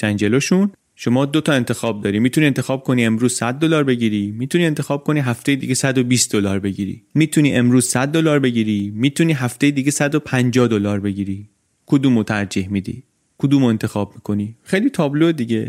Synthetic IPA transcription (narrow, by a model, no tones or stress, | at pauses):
ʃænd͡ʒeloʃun | ʃo̞mɒːd̪ot̪ʰɒe̞nt̪ʰe̞xɒːb̚d̪ɒːɾiːmiːt̪ʰunient̪e̞xɒːb̚kʰonie̞mɾuːzsæd̪̚ːolɒːɾbe̞ɟiːɾiːmiːt̪ʰuniːe̞nt̪e̞xɒːb̚kʰo̞niːɦæft̪e̞jed̪iɡesæd̪obiːst̪̚d̪olɒːɾbe̞ɟiːɾḭmiːt̪ʰuniːʔe̞mɾuːz̥sæd̪̚ːolɒːɾbe̞ɟiɾiːmiːt̪ʰuniːɦæft̪ejed̪iɟesæd̪opʰænd͡ʒɒːhd̪olɒːɾbe̞ɟiːɾiː | kʰod̪uːmot̪ʰæɾd͡ʒihmid̪ḭː | kʰod̪uːmoe̞nt̪ʰe̞xɒːb̚miːkʰo̞nixejliːt̪ʰɒːbloed̪iɟe